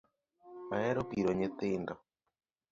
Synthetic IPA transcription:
maɛɾopiɾoɲet̪eːndɔ

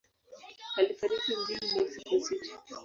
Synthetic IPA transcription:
alifaɾikim̩ziɾimɛsikusitḁ

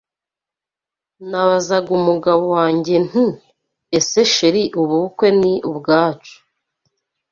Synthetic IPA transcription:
naβazaɡumuɡaβowaːɲɟe̞n̥i | eseʃeɾiʔuβuβukwe̞niʔubɡaːt͡ʃu̥

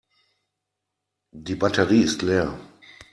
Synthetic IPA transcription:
diːbatəʁiːɪstleːɐ

